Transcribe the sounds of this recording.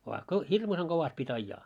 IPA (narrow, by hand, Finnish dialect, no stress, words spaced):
ʋɑː ko hirmuseŋ ɡ̊oʋɑst pitʲ ɑijːɑː